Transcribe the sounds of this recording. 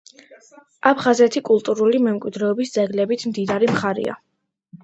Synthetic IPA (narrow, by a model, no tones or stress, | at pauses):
apʰχazɛt̪ʰikʼulˠt̪ʼuɾulimɛmkʼwid̪ɾɛɔbisd̪zɛɡlɛbit̪ʰmd̪id̪aɾimχaɾḭa̰